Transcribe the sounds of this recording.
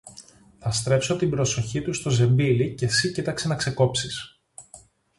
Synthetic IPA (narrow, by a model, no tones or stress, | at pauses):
θɐst̪ɾe̞pso̞t̪imbɾo̞so̞çit̪ust̪o̞ze̞mbilice̞sicit̪ɐkse̞nɐkse̞ko̞psis